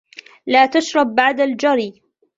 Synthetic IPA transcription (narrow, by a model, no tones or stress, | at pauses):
laːt̪aʃɾˤɑb̚ːaʕd̪ald͡ʒaɾiː